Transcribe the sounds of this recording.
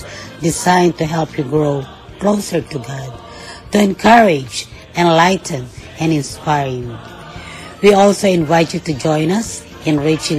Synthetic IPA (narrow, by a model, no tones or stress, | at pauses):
dɪzãɪ̃ntuɦɛlˠpʰjuɡɹoʊ | klosə˞tuɡɑd̚ | tuɛ̃nkʰʌɹɪd͡ʒ | ɛ̃nlaɪtʰɨ̃n | ɛ̃nɪ̃nspaɪɹɪ̃ŋ | wiɔlˠsoʊɪ̃nvaɪtjutud͡ʒɔ̃ɪ̃nʌs | ɨ̃nɹit͡ʃɪ̃